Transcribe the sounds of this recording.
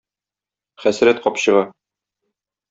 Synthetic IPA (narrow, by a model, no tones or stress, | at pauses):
χæsɾæt̪̚qɒpɕɤ̆ʁɑ